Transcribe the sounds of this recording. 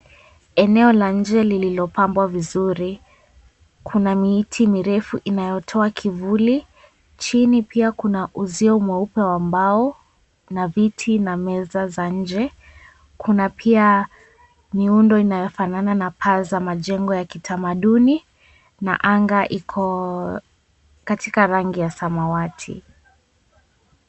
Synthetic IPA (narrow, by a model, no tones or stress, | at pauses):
ɛnɛɔlaɲ̩d͡ʒɛlililɔpambwavizuɾi | kʰunamiitʰimiɾɛfuʔinajɔtʰɔakʰivuli | t͡ʃinipiakunaʔuziɔmwɛupɛwambaɔ | navitʰinamɛzazaɲ̩d͡ʒɛ | kʰunapʰia | miundɔinajɔfanananapʰazamaʄɛŋɡɔjakitʰamaɗuni | na̰ʔaŋɡaʔikʰɔ | katikaɾaŋɡijasamawatʰḭ